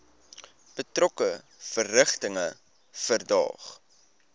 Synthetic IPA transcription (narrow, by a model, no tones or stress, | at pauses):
b̥ətrɔkə | fərːəχtəŋə | fərdɑ̰ːχ